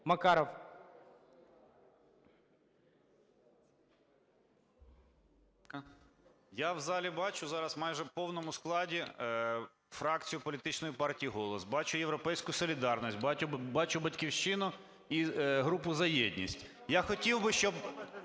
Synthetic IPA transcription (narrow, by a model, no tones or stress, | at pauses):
mɐkɑɾɔw | jawzɑlʲibɑt͡ʃʊzɑɾɐsmɑjʒɛpɔwnɔmʊsklˠɑdʲi | fɾɑk̚t͡sʲijʊpɔlʲit̪ɪt͡ʃnɔjipɑrtʲijiɦɔlˠɔsbɑt͡ʃʊjewɾɔpɛjsʲkʊsɔlʲid̪ɑrnisʲt̚ʲbbɑt͡ʃʊbɐtʲkʲiwʃt͡ʃɪnʊ | iɦɾupʊzɐjɛdʲnʲḭsʲtʲ | jaxɔtʲiwbɪʃt͡ʃɔb